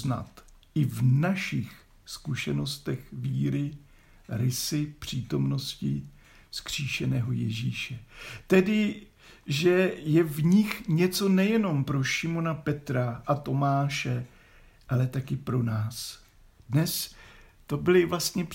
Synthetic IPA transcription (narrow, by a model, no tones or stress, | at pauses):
na̰t̪ | ʔɪvnaʃɪx | skuʃɛno̞st̪ɛxviːɾɪ | ɾɪsɪpr̝̥iːt̪o̞mno̞scɪ | skr̝̥iːʃɛnɛːɦo̞jɛ̰ʒiːʃɛt̪ɛdɪ | ʒɛjɛvɲɪxɲɛt͡so̞nɛjɛno̞mpɾo̞ʃɪmo̞napɛt̪ɾaʔat̪o̞maːʃɛ | ʔalɛt̪akɪpɾo̞naːs | dnɛst̪o̞bɪlɪvlast̪ɲɛ